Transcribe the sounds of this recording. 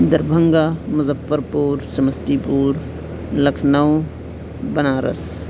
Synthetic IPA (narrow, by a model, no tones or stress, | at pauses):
d̪ɐɾbʱɐŋɡamʊzɐfːəɾpuːɾsɐmɐst̪iːpuːɾ | lɐkʰnɐw | bɐnaːɾʔɐ̰s